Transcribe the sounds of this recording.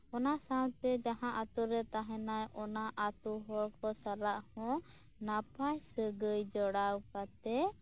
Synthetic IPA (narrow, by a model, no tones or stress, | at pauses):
ɔnasawt̪ɛd͡ʒaɦãʔat̪uɾɛt̪aɦɛ̃najɔnaʔat̪uɦɔɾkɔsaɾaʔhɔ̃ | napajsəɡəjd͡ʒɔɽawkat̪ɛ